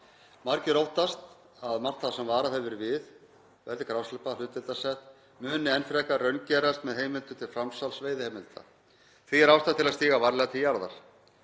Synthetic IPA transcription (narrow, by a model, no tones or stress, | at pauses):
maɾcɪɾowht̪ast̪ | aðmar̥t̪aðsɛmvaːɾaðɛvʏɾvɪð | vɛɾðɪkɾawslʏpalʏːt̪vɪlt̪asɛht̪ | mʏːnɪɛnfɾɛkarœɥncɛɾast̪mɛðɦeːjmɪlt̪ʏt̪ʰɪlfɾamsalsveːjðɪhɛːmɪlt̪a̰ | θiɛɾawst̪ḁt̪ʰɪlast̪iːɣavaɾlɛɣat̪ʰɪljaɾða̰ɾ̥